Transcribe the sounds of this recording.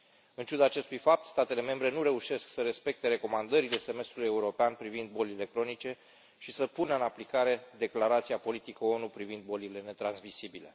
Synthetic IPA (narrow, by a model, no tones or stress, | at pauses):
ɨnt͡ʃud̪aːt͡ʃe̞st̪ujfap̚t̪st̪at̪e̞le̞me̞mbɾe̞nuɾe̞uʃe̞sksəɾe̞spe̞k̚t̪e̞ɾe̞ko̞mand̪əɾile̞se̞me̞st̪ɾulujeuɾo̞peanpɾivind̪̚bo̞lile̞kɾo̞nit͡ʃe̞ | ʃisəpunəɨnaplikaɾe̞d̪e̞klaɾat̪siapo̞lit̪ikəo̞nupɾivind̪̚bo̞lile̞ne̞t̪ɾansmisibile̞̰